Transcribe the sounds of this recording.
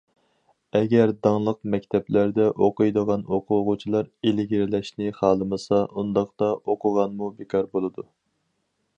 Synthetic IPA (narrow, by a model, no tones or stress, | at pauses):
ɛɡʲɛɾd̪ɑŋlˠəqmɛkʲt̪ʰɛplæɾd̪ɛʔoqujd̪əʁɑnoqʰʊʁʊt͡ʃʰilˠɑɾelɪɡʲɾlɛʃnɪχɑːlˠɨmɨsɑund̪ɑχt̪ɑʔoqʊʁɑnmubekʰɑɾbolˠɨd̪u